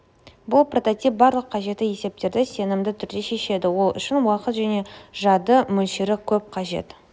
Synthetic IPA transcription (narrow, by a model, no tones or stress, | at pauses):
bʊlˠpro̞t̪o̞t̪ip̚bɑɾlˠəqqʰɑʒe̞t̪ːɪje̞se̞p̚t̪e̞ɾd̪ɪse̞nɪmd̪ɪt̪ʰʏɾd̪e̞ʃe̞ʃe̞d̪ɪwo̞lˠʏ̰ʃɪnwɑqət̪ʒæne̞ʒɑd̪əmɵlʃɪɾɪkʲʰɵp̚qʰɑʒe̞̰t̪